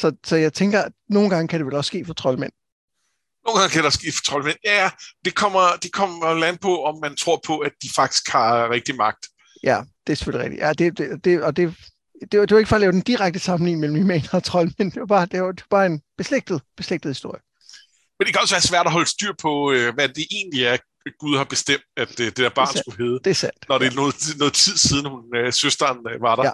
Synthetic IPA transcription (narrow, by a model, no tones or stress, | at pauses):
sɒ̽sɒ̽jɑ̈ɪt͡sʰeŋɡ̥ɐæno̝ːn̩ɡ̥ɑ̈ŋəkʰæɾ̥e̝ʋelɒ̽sːɡ̥e̝̰ːfɒ̽t͡sʰʁɒ̽lmen̰ | noːn̩ɡɑ̈ŋkʰædɾe̝ɒsɡ̥e̝̰ːfɒ̥t͡sʰʁɒ̽lmenjæjæd̥e̝kʰɒ̽m̰ɐd̥e̝kʰɒm̰ɐlænb̥ʰɔɒ̽mːænt͡sʰʁo̝ɐ̰pʰɒ̽æd̥̚ifɑ̈ɡ̥d̥i̥sɡ̥hɑ̈ʁeɡ̥̚d̥imɑ̈ɡ̥̚d̥ | jæd̥e̝æɐse̥føliʁɛ̰ɡ̥̚d̥ḭjʔæd̥e̝d̥ed̥e̝ɒ̽d̥e̝ | d̥e̝d̥e̝ʋe̝ɡ̥fɒ̽lɛːʊd̥end̥iʁaɡ̥̚d̥əsɑ̈mn̩lḭːn̩mel̰m̩imenɑt͡sʰʁɒ̽lmend̥eb̥ɑ̈ːd̥e̝d̥e̝b̥ɑ̈ːe̝nb̥e̝sleɡ̥̚d̥ð̩ˠb̥e̝sleɡ̥d̥ð̩ˠhisd̥o̝ɐ̰jə | mend̥ekʰæɒ̽sʋæːɐsʋæɐ̰d̥ɒɦɒ̽ləsd̥yɐ̰pʰɒ̽øʋæd̥e̝ʔe̝̰ːnliæɐ | ɡ̥uð̞ˠhɑ̈b̥e̝sd̥em̰d̥æd̥d̥e̝d̥æɐb̥ɑ̰̈ːnsɡ̥uɦeːð̩ˠd̥e̝æɐsæn̰d̥nɒɾ̥e̝nɔːð̩ˠnɔ̽ːð̩ˠt͡sʰið̞̰ˠsiːð̞ˠn̩hunøsøsd̥ɐnʋɑ̈ɾ̥ɑ